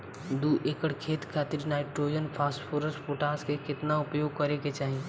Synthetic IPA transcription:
d̪uːʔeːkəɽkʰeːt̪kʰaːt̪ɪɾnaːɪʈɾoːiənpʰaːsʈpʰoɾəsʈpʰoʈaːskekɪt̪naʊpjoːɡ̚kɐɾeket͡ʃaːɦie

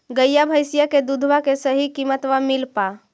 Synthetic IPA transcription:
ɡəjjabʱəjsijaked̪ud̪ʱʋakesəɦikimət̪ʋamɪlpa

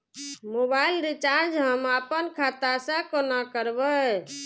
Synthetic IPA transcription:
mobailɾit͡ʃaɾd͡ʒɦəmapənkʰat̪asãkonakəɾbə

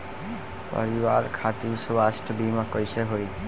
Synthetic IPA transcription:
pɔ̰ɹibaɹkʰat̪isuasʈʰbimakojsɛɦoj

